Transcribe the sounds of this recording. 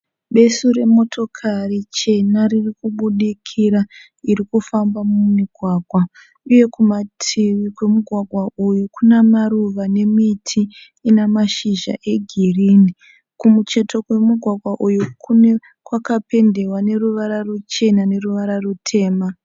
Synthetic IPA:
ɓe̞suɾe̞mo̞tʰo̞kʰarit͡ʃe̞naririkuɓuɗikʰiɾa | iɾikufambamumiɡʱwaːɡʱwa | uje̞kumatʰiʋikwe̞muɡʱwaɡʱwaujukunemaɾuʋane̞mitʰiː | nemaʃiʒa̰ʔe̞ɡʱirini | kumut͡ʃe̞to̞kwe̞muɡʱwaɡʱwaʔujukune | kwakape̞nde̞wane̞ruʋaɾarut͡ʃe̞nane̞ruʋaɾarutʰe̞ːma

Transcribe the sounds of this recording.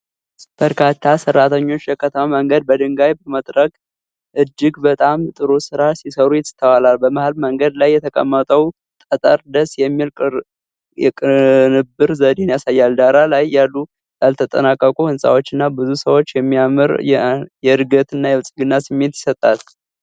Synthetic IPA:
b̥əɾkʰat̪ʰːasərːat̪ʰəɲːo̞t͡ʃːjɛkʰət̪ʰəmaməŋɡəd̪̚bəd̪ɨŋɡajbəmət̪ʼɾəkʼ | ʔɨd͡ʒːɪɡbət̪ʼamt̪ʼɨɾosɨɾasisəɾujɪt̪ʰːəwalalbəmahalməŋɡəd̪lajːɛt̪ʰəkʼə̰mːət̪ʼəw | t̪ʼət̪ʼəɾd̪əsjɛmːilkʼ | jɛkʼɨnɨbɨɾzəd̪enjasajːald̪aɾalajːalːu | jalt̪ʰət̪ʼə̰nakʼːəkʼuhɨnsʼa̰wo̞t͡ʃːɨnːabɨzusəwot͡ʃːjɛmːiamɨɾɛjɛɨɾɡət̪ɨnːajɛwɨsʼɡɨnːasɨmːe̞t̪jɪ̥sət̪ʼːal

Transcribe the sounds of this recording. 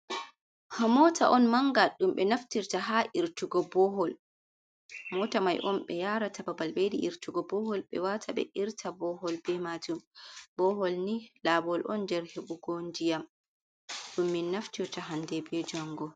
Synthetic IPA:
hamɔtaʔɔnmaŋɡaɗumɓɛnaftiɾtaɦaʔiɾtuɡɔbɔɦɔl | amɔtamajʔɔnɓɛjaɾatababalbediʔiɾtuɡɔbɔhɔlɓɛ̰watʰaɓɛ̰ʔiɾtʰabɔhɔlbɛmad͡ʒumbɔɦɔlnilabɔlʔɔndɛɾheɓuɡondijam | ɗumːinːaftiɾtaɦandɛbed͡ʒaŋɡɔ

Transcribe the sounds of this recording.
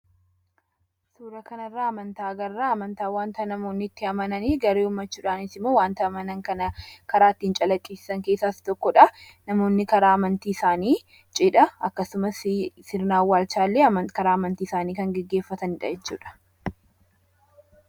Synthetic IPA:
suːɾɐkɐnɐrːaːɐmɐnt̪aːɡɐrːaːɐmɐnt̪aːwaːnt̪ɐnɐmo̞ːnːɪːt̪ːɪɐmɐnɐniːɡɐɾeːʊmːɐt͡ʃːuːᶑaːnɪsɪmːoːwaːnt̪ɐɐmɐnɐŋkɐnɐkɐɾaːt̪ːɪnt͡ʃʼɐlɐkʼːiːsɪ̥sɐŋke̞ːsːaːst̪ɔkːɔᶑɐ | nɐmo̞ːnːɪkɐɾaːɐmɐnt̪iːɪsaːniː | t͡ʃʼɪᶑɐɐkːɐsʊmɐssɪɾnaːwːaːlt͡ʃaːlːeːɐmkɐɾaːɐmɐnt̪iːɪsaːniːkɐŋɡɛɡːe̞ːfːɐt̪ɐnɪᶑɐ̰d͡ʒɛt͡ʃːṵːᶑɐ̥

